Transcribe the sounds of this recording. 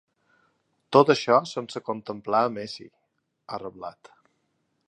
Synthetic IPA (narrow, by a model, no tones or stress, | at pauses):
t̪ot̪əʃɔsənsəkunt̪əmplaəmesḭ | ərəβla̰t̪